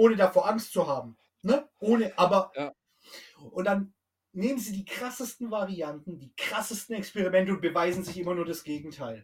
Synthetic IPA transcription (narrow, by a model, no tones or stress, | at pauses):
ʔoːnədafoːɐʔaŋstt͡suɦaːbm̩ | nəʔoːnəʔaːbɐ | ʔʊnt̚d̥an | neːmənziːdiːkʁ̥asəstn̩vaʁiantn̩diːkʁ̥asəstn̩ɛkspɛʁimɛntəʊntb̥əvaɪzn̩zɪçʔɪmɐnuːɐɾasɡ̥eːɡŋ̩tʰaɪl